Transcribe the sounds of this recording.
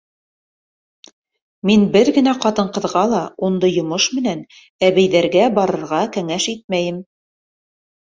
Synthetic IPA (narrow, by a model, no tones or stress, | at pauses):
minbɘɾɡɘ̆næqɑt̪ɤ̆ɴqɤ̆ðʁɑlˠɑund̪ɤjŏmɤʃmɘ̆næn | æβæjðæɾɡæbɑɾɤ̆ɾʁɑkæŋæʃit̪̚mæjɘm